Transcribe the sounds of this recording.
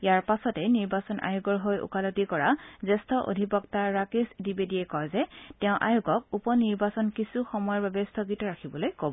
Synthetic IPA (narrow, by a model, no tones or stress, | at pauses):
jaɹpasɔtɛniɹbasɔnʔa̰juɡɔɹɦojʔṵkalotikɔɹazɛstʰɔʔo̰dʱipɔktaɹakesdibediɛkɔjzɛtɛʊ̃ʔa̰juɡɔk̚upɔniɹbasɔnkisuxɔmɔjɔɹbabɛstʰɔɡitɔɹakʰibɔlojkobɔ